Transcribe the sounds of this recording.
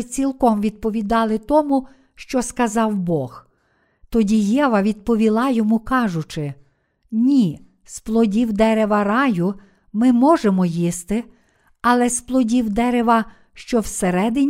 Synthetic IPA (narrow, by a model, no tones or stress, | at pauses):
t͡sʲilˠkɔmʋʲid̪̚pɔʋʲid̪ɑlˠɪt̪ɔmu | ʃt͡ʃɔskɐzɑwbɔx | t̪ɔdʲijɛʋɐʋʲid̪̚pɔʋʲilˠɑjɔmukɑʒʊt͡ʃɪ | nʲi | splˠɔdʲiwd̪ɛɾeʋɐɾɑjʊ | mɪmɔʒemɔjist̪ɪ | ɐlˠɛsplˠɔdʲiwd̪ɛɾeʋɐ | ʃt͡ʃɔwseɾɛd̪ɪnʲ